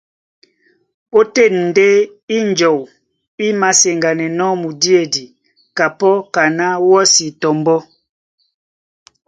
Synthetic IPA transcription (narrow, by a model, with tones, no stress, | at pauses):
o˦te˦˨nn̩˨de˦ | i˦n˨d͡ʒɔ˨w | i˦ma˨se˨ŋɡa˨nɛ˨nɔ˦mu˨di˦e˦˨di˨ | ka˨pɔ˦ka˨na˦wɔ˦si˨tɔ˨mbɔ˦